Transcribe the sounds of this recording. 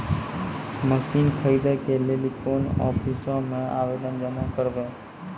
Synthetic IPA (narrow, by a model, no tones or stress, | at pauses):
məsiːnkʰəiːd̪ekeleːlikoːnɔ̰ːpʰisõmẽa̰ːʋeːd̪ənd͡ʒəmakəɾʋẽː